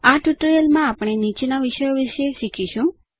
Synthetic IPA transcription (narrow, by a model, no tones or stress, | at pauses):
aʈuʈɾjəlmãapɽ̃enit͡ʃenaʋiʃəjoʋiʃeʃikʰiʃũ